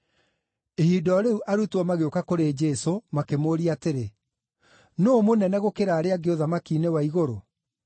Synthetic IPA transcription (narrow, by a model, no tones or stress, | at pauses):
ehidɔɾeuʔaɾutɔmaɣeokakoɾed͡ʒɛsomakemoːɾiateɾe | noomonɛnɛɣokeɾaːɾeaɡeoðamakiːnewaiɣoɾo